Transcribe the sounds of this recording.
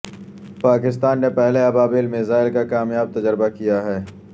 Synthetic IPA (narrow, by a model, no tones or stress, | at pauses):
paːkɪst̪aːnːepɛɦleɐbaːbeːlmɪzaːɪlkakaːmjaːb̚t̪ɐd͡ʒəɾbakijaɦɛː